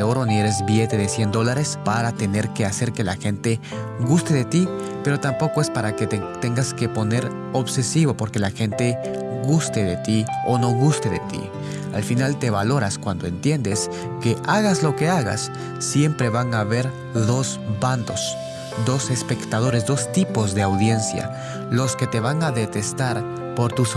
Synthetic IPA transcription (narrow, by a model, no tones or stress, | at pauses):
o̞ɾonieɾe̞zβije̞t̪e̞ðesje̞nd̪o̞laɾe̞spaɾat̪e̞ne̞ɾke̞ase̞ɾke̞laxe̞nt̪e̞ | ɣust̪e̞ðe̞t̪i | pe̞ɾo̞t̪ampo̞ko̞e̞spaɾaket̪e̞ŋɡaske̞po̞ne̞ɾ | o̞βse̞siβo̞po̞ɾke̞laxe̞nt̪e̞ | ɣust̪e̞ðe̞t̪io̞no̞ɣust̪e̞ðet̪ḭ | a̰lfinalt̪e̞βalo̞ɾaskwand̪o̞e̞̰nt̪je̞nd̪e̞s | ke̞ʔaɣazlo̞ke̞aɣa̰sː | je̞mpɾe̞βaŋaβe̞ɾ | ðo̞z | band̪o̞s | d̪o̞se̞spe̞kt̪aðo̞ɾe̞zd̪o̞st̪ipo̞zðe̞awðje̞nsja̰ | lo̞ske̞t̪e̞βaŋaðe̞t̪e̞st̪aɾ | po̞ɾt̪us